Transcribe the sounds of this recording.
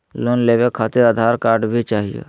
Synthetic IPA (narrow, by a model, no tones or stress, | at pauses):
loːnleːbekʰat̪eɾəd̪ʱaɾkaːɾɖbʱit͡ʃaːɦijḛ